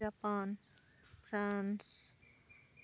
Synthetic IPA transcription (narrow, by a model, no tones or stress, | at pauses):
apaːn | fɾans